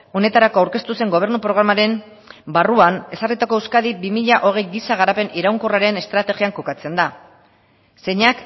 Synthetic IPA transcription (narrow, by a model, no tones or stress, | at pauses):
o̞ne̞t̪aɾako̞awɾke̞st̪use̞ŋɡo̞β̞e̞ɾnupɾo̞ɣ̞ɾamaɾe̞m | baruane̞sarit̪ako̞ewskaðibimiʎaʔo̞ɣ̞e̞jɡisaɣ̞aɾape̞niɾawŋkoraɾe̞ne̞st̪ɾat̪e̞ɣiaŋko̞kat͡se̞nd̪a | se̞ɲak